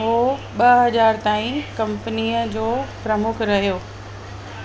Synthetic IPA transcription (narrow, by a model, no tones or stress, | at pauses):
ɦoː | ɓɐɦɐd͡ʑaːɾt̪aːĩkɐ̃mpəniəd͡ʑoːpɾɐmʊkʰɾɐɦijoː